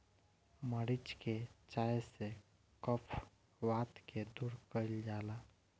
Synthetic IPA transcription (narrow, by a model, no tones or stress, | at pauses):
məɽit͡ʃket͡ʃajse | kəpʰ | ʋat̪ked̪uɾkəild͡ʒaːla